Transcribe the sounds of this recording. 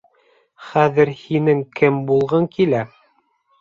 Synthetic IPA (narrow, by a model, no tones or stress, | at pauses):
χæðɘɾhinɘŋkɘmbulˠʁɤŋkʰilæ